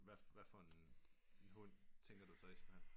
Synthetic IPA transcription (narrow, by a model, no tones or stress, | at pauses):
ʋæʋæfɒ̽enenɦɔn̰t͡sʰeŋɡ̥ɐd̥usɒ̽esemhen